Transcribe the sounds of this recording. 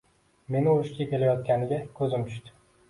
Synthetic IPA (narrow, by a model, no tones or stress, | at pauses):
me̞nɪʊɾɪʃkʲakʲʰe̞lajɒt̪̚kʲanɪɡʲakʲʰɵzɪmt̪ʰʊʃt̪ɪ̥